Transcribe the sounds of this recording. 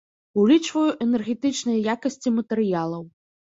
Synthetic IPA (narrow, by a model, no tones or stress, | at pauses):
ulʲit͡ʂvɐjuʔɛnɛrɣʲɛt̪ɨt͡ʂnɨjɐjakɐsʲt͡sʲimɐt̪ɛɾɨjalˠɐw